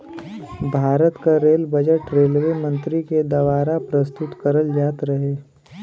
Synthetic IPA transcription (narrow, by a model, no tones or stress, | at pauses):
bʱaːɾət̪kaɾeːlbɐd͡ʒəʈɾeːlʋemə̃nt̪ɾiked̪ɐʋaːɾapɾəst̪ʊt̪kɐɾəld͡ʒaːt̪ɾɐɦeː